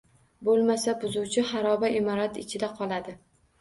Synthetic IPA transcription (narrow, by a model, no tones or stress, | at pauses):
bolˠmasabʊzuwt͡ʃʰɪhaɾɒbaʔɪmɒɾat̪ɪt͡ʃʰɪd̪aqʰɒlˠad̪ɪ